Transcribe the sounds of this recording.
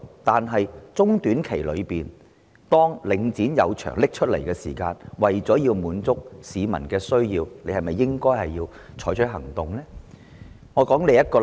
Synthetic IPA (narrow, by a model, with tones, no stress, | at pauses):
t̪aː˨nɦɐ˨jt͡sʊ˥ŋt̪yː˨˥nkʰe˨˩jlɵ̰˨˧ɥpiː˨n | t̪ɔː˥ŋlɪ˨˧ŋt͡siː˨˥njɐ̰˨˧wt͡ʃʰœ̰ː˨˩ŋlɪ˥k̚t͡ʃʰɵ˥t̚lḛ˨˩jkɛː˧sḭː˨˩kaː˧nwɐ˨˩jt͡sɔː˨˥jiː˧wmuː˨˧nt͡sʊ˥k̚siː˨˧mɐ̰˨˩nkɛː˧sɵ˥ɥjiː˧wne˨˧jhɐ˨jmɐ˨jːɪ˥ŋkɔː˥jhɐ˨jːiː˧w | t͡ʃʰɔː˨˥jt͡ʃʰɵ˥ɦɐ̰˨˩ŋt̪ʊ˨ŋlɛː˥ | ŋɔː˨˧kɔː˨˥ŋle˨˧jɐ˥t̚kɔː˧